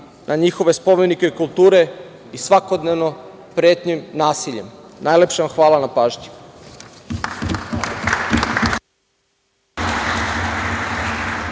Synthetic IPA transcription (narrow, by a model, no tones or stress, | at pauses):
nʔaɲixo̞ʋe̞spo̞menikeikulˠt̪uːɾe̞ | isʋako̞d̪ne̞ʋno̞ | pɾeːt̪ɲimnaːsiʎḛmnaːjlepʃemxʋaːlanapaːʒɲi̥